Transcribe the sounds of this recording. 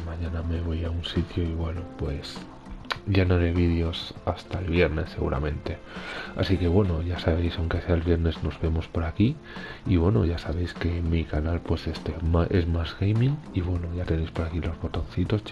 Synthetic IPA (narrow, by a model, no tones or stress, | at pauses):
maɲãname̞β̞o̞jaunsit̪joiβwenopwe̞s | ɟ͡ʝanoɾeβ̞iðjo̞sast̪aelβje̞ɾne̞sːe̞ɣṵɾʔa̰mẽ̞nt̪e̞ | a̰sike̞βwe̞noʝasaβ̞e̞jsawŋkesealβje̞ɾne̞zno̞zβe̞mo̞spo̞ɾaki | iβwe̞no̰ʝasaβ̞e̞jske̞mikanalpwe̞sest̪emaʔe̞zmazɣejmĩŋiβwe̞no̞ʝat̪e̞ne̞jspo̞ɾakilo̞zβo̞t̪o̞nθit̪o̞s